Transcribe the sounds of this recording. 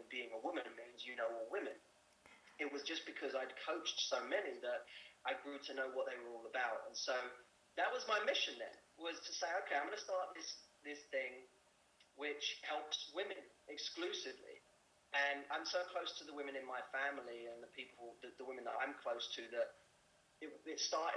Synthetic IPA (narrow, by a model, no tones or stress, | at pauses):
nbiɪ̃ŋəwʊmɨ̃nɨt̚mĩnzjɨnoʊɔlˠwɪ̃mɨ̃n | ɨt̚wʌzd͡ʒʌsb̥ɨkʰʌzaɪd̚kʰoʊt͡ʃtsoʊmɛniðəɾʔaɪɡɹʉɾɨnoʊwʌt̪̚ðeɪwə˞ɔlˠəbaʊtə̰̃nsoʊ | ðəʔ̚wʌzmaɪmɪʃɨ̃nðɨ̰̃nwʌz̥tʰəseɪoʊkʰeɪãɪ̃mɡʌnəstɑɹʔ̪̚ðɪsðɪsθɪ̃ŋ | wɪt͡ʃhɛlˠpswɪ̃mɨ̃nɪksklʉsɨvlḭ | ʔɨ̃nã̰ɪ̃msoʊkʰl̥oʊstʰəðəwɪ̃mɨ̃nɨ̃nmaɪfæ̃ml̩iɨ̃nðəpʰipʰl̩ˠðɨðəwɪ̃mɨ̃nðə̰ɾã̰ɪ̃mkʰl̥oʊstʰɨðəɾ | ɪtɪtstɑɹɾɪ